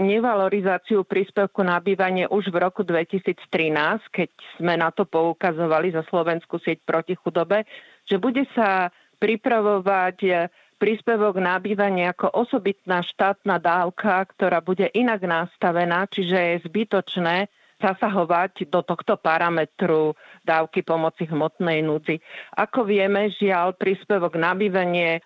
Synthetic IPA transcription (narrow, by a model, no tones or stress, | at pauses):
ɲɛʋalɔɾizaːt͡siupɾiːspɛʊkunabiːʋaɲɪɛʔuʒʋɾɔkud̪ʋɛcisiːt͡st̪ɾinaːskɛcz̥mɛnat̪ɔpɔukazɔʋalizaslɔʋɛnskusɪɛc̚pɾɔcixud̪ɔbɛ | ʒ̥ɛbuɟɛsa | pɾipɾaʋɔʋac | pɾiːspɛʋɔɡnabiːʋaɲɪɛakɔʔɔsɔbit̪naːʃt̪aːt̪naːd̪aːʊkʰakt̪ɔɾaːbuɟɛʔinaɡnast̪aʋɛnaːt͡ʃiʒɛjɛzbit̪ɔt͡ʃnɛː | zasaɦɔʋaɟd̪ɔt̪ɔxt̪ɔpaɾamɛt̪ɾud̪aːʊkipɔmɔt͡siɦmɔt̪nɛjnud͡ziʔakɔʋɪɛmɛʒɪalpɾiːspɛʋɔɡnabiːʋaɲɪɛ